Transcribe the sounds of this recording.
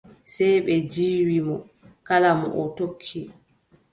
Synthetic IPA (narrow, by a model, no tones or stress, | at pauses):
sɛjɓɛd͡ʒiːwimɔ | kalamɔ̰ʔɔtokʰːi